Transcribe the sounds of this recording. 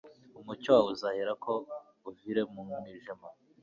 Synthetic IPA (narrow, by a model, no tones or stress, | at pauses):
umucowauzaheɾakʰo | uviɾemuŋuniʒema